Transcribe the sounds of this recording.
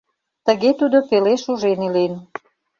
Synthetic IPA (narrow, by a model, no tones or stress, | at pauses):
t̪əɣet̪ud̪opeleʃuʒenilen